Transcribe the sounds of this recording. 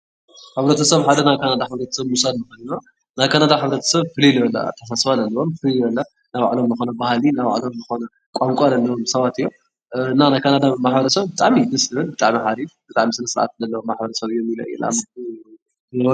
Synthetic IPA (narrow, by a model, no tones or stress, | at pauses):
ħɨβɾɐt̪ʰɐsɐβħad̪ɐnajkʰanad̪aħɨβɾɐt̪ʰɐ̥sɐβmusad̪mɨxɐnina | najkʰanad̪aħɨβɾɐt̪ʰɐ̥sɐβfɨliljɐlːa̰t̪ʰːɐs̬asfalɐlːɐβomfɨliljɐlːa | naβa̰ʕlomzɨxonɐbahlinaβa̰ʕlo̞mzɨxonɐ | kʼamkʷʼalɐlːɐβomsɐβat̪ɨjːo | ɨnːanajkʰanad̪amaħbɐɾɐsɐβbɨt̪ʼaʕmimɨslɨβɨnbɨt̪ʼa̰ʕmiħaɾifbɨt̪ʼaʕmisɨnɐsɨɾʔa̰t̪̚zɐlːɐwomːaħbɐɾɐsɐβɨjːomilɐjːṵl̰a̰m